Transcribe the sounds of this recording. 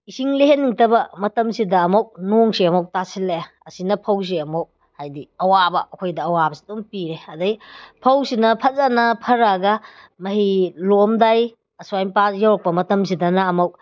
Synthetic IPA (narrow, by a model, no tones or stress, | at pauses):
isiŋleɦenːiŋtɐbɐmɐtɐmsidɐːmowk̚noŋsiɐmɐw̚tasilːe | ɐsinɐpʰɐws̬iɐmow̚ | hajdiɐwabɐːkʰojdɐːwabɐsi̥dumpiɾeɐdɐjpʰɐwsinɐpʰɐzanɐpʰɐɾɐɡɐ | mɐɦilomdaj | ɐsuajmpasjawɾɐk̚pɐmɐtɐms̬idɐnɐːmɐwk̚